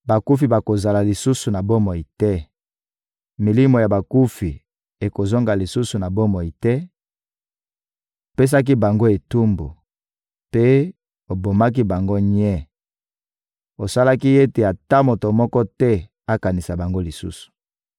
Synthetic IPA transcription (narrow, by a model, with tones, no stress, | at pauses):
ba˨ku˦fi˨ba˨ko˨za˨la˨li˨su˦su˨na˨bo˦mɔ˨i˨tɛ˦ | mi˨li˦mo˨ja˨ba˨ku˦fi˨ | e˨ko˨zɔ˦ŋɡa˨li˨su˦su˨na˨bo˦mɔ˨i˨tɛ˦ | o˨pe˦s̬a˦k̬i˦ba˨ŋɡo˦e˨tu˦mbo˨ | pe˦ | o˨bo˨ma˦k̬i˦ba˨ŋɡo˦ɲɛ˦ | o˨sa˦la˦ki˦e˦te˨a˨ta˦mo˨to˨mɔ˦kɔ˦tɛ˦ | a˦ka˨ni˨sa˨ba˨ŋɡo˦li˨sṵ˦su̥˨